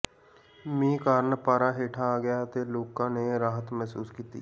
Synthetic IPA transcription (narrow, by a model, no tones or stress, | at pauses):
mĩːkaːɾnpaːɾãːɦeːʈʰaːɡɪjaːt̪eːloːkãːneːɾaːɦət̪mɛɦsuːskiːt̪ḭː